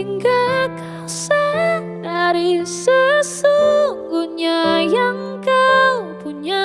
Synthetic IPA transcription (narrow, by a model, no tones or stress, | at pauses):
iŋɡaka | sa | daɾisəsuŋɡuɲajaŋ | kawpuɲa